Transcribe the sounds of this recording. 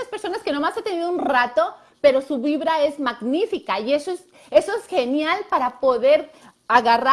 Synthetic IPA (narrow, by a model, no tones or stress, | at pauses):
aspeɾso̞naske̞no̞maset̪e̞niðounrat̪o̞ | pe̞ɾo̞suβiβɾae̞zmaɣnifikaiesos | e̞so̞esxe̞njalpaɾapo̞ðe̞ɾ | aɣara